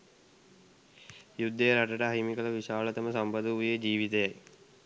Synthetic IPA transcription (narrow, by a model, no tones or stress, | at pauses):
jud̪ːejɾaʈəʈəɐɦimikɐləʋiɕaːɭət̪ɐməsampɐd̪əujed͡ʑiːʋit̪ejaj